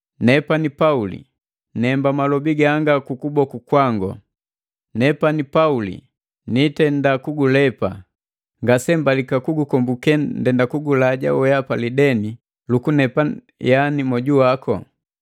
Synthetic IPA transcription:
nɛpanipaulḭ | nɛmbamalɔbiɡaŋɡakukubɔkukwaŋɡɔ̰ | nɛpanipaulḭ | nitɛndakuɡulɛpa | ŋɡasɛmbalikakuɡukɔmbukɛndɛndakuɡulaɟa̰wɛjapalidɛni | lukunɛpa | janimɔɟuwakɔ̰

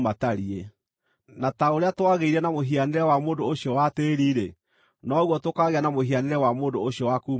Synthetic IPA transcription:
mataɾie | nataoɾeatwaɣeiɾɛnamoɦianeɾɛwamoːndooɕjɔwateːɾiɾe | nɔɣwɔtokaɣeanamoɦianeɾɛwamoːndooɕjɔwakuːm

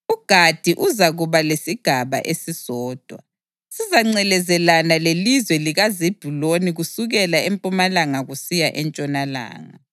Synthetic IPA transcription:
uɡ̥ʱad̥ʱiʔuzaɣuβalesiɡ̥ʱaβa̰ʔesisɔːd̥ʱwa̰ | sizaŋ͡ǀɛlɛzɛlanalelizwɛliɣazib̥ʱuloniɣusuɣɛlaempʼumalaŋaɣusijaʔɛnt͡ʃʼɔnala̰ːŋa̰

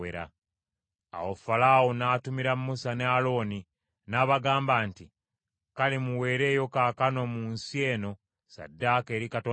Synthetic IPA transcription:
eɾa̰ | a̰wofalaːwonaːtumiɾammːusanealo̞ːni | naːβaɡaːmbaːnti | kalimuwe̞ːɾe̞ːjo̞kaːkano̞muːnsie̞ːno̞ | sa̰dːake̞ːɾikato

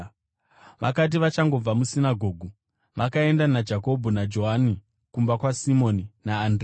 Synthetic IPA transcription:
ʋa̰kat̬iʋat͡ʃaŋɡo̞b͡vamusinaɡʱo̞ːɡʱu | ʋakae̞ndanad͡ʒako̞bʱonad͡ʒo̞ɦani | kumbakwasimo̞ninaːndre

